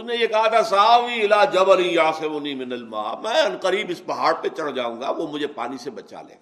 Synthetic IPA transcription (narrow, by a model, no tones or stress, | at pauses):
ʊnẽjekɐɦat̪ʰasaːʋiɪlaːd͡ʒɐbɐlĩjaːsɪmʊnimɪnɐlma̰ːmɛ̃ːɐnqəɾiːbɪsbɐɦaːɽpet͡ʃɐɽd͡ʒaːũːɡaʋoːmʊd͡ʒʱepa̰ːnisebɐt͡ʃa̰lḛːɡː